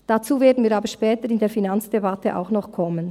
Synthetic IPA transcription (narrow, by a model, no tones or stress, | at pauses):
d̥at͡suːveːɐdən̩viːɾaːbəʃpɛːtəɾɪndeːɐfinant͡sd̥ebatʰəʔa̰ʊxnɔχkʰɔmən